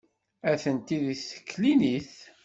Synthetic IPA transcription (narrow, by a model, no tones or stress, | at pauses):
æθənt̪iðisə̥kːliniθ